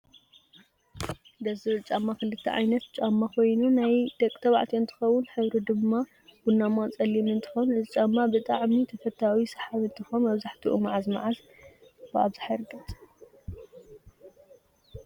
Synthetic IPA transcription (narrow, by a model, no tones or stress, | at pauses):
d̪ɐzɨɾɨt͡ʃʼamːakɨlɨt̪ʰːɐ̰ʕa̰jnɐt̪̚t͡ʃʼamːakʰo̞jnunajd̪ɐkʼt̪ʰɐβaʕt̪ʰiɨnt̪ʰɨ̥xɐwʊnħɨβɾid̪ɨmːa | ɡ̥unːamat͡sʼɐlːimɨnt̪ʰɨ̥xonɨt͡ʃʼamːabɨt̪ʼaʕmit̪ʰɐfɐt̪ʰːawisɐ̥ħaβɨnt̪ʰɨxonmɐβzaħt̪ʰiʔumaʕazma̰ʕaz | b̥ɨa̰βzɨħaɾɡɐt̪ʼ